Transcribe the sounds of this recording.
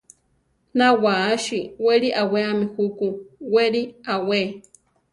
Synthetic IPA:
nawaːʃiweɾiʔaweamihukuweɾiawe

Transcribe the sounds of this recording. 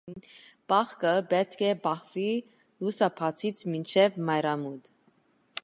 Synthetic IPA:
nb̥ɑχkəbɛt̪kʰɛbɑhvi | lusɑpʰɑt͡sʰit͡sʰmint͡ʃʰɛvmɑjɾɑmud̪

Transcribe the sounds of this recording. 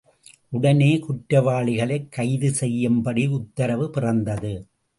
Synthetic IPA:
ʔʊɽɐneːkʊʈɾɐʋaːɭɪɣɐɭɐɪkːɐɪðɯsɛjːɐmbɐɽiʊt̪ːɐɾɐʋɯpɪrɐnd̪ɐðɯ

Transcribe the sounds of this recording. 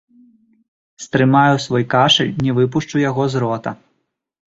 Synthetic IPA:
st̪ɾɨmajusvɔjkaʂɨlʲnʲɛvɨp̬uʂt͡ʂujaɣɔzɾɔt̪ɐ̰

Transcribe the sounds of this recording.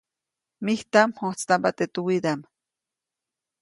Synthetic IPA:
miht̪amhot͡st̪ampat̪et̪uwid̪am

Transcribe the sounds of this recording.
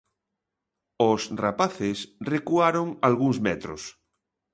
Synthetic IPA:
osrapaθesrekuaɾoŋalɣuŋzmɛt̪ɾo̰s

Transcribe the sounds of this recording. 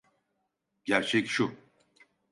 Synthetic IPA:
ɟ̥æɾt͡ʃʰɛcʃu

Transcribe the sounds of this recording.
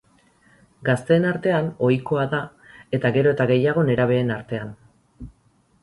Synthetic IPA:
ɡast̪e̞ːnaɾt̪e̞ano̞jko̞aða | e̞t̪aɣe̞ɾo̞e̞t̪aɣe̞jaɣ̞o̞ne̞ɾaβ̞e̞ːnaɾt̪e̞an

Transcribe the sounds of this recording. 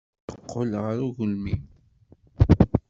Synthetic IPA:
əqʰːolʁəɾuʝʊlmi

